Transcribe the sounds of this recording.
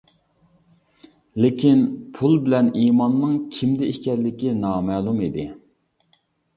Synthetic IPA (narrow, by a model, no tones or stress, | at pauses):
lekʲʰinpʰulˠbɪlɛniːmɑnːɨŋkʲʰimd̪ɪihkʲɛɾlɪkʲinɑːmɛːlˠumid̪ɪ